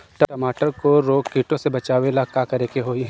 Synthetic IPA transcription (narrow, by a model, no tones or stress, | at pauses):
ʈɐʈɐmaːʈəɾkoɾoːɡkiːʈõsebɐt͡ʃaːʋelakakɐɾeːkeɦoːi